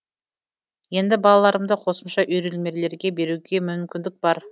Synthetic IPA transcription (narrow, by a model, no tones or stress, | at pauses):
je̞nd̪ɪbɑlˠɑlˠɑɾəmd̪əqʰo̞səmʃɑʔʏjɾelme̞ɾle̞ɾɡʲe̞be̞ɾuɡʲe̞mʏmkʲɪnd̪ɪk̚bɑɾ